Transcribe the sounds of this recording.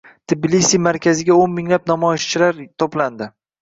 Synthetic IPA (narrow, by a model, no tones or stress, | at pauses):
t̪ʰɪblisimaɾkʲʰazɪɡʲaonmɪŋlap̚namɒɪʃt͡ʃʰɪlaɾt̪ʰopland̪ɪ